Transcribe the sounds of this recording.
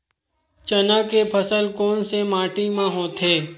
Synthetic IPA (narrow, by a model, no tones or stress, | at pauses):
t͡ʃənakepʰəsəlkoːnsemaːʈimãɦoːt̪ɦeː